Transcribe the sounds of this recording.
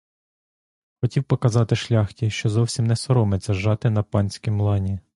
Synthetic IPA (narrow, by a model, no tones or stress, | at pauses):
xɔtʲiwpɔkɐzɑt̪ɪʃlʲɑxtʲiʃt͡ʃɔzɔwsʲimnɛsɔɾɔmet͡sʲːɐʒɑt̪ɪn̪ɐpɑnʲsʲkʲimlˠɑnʲi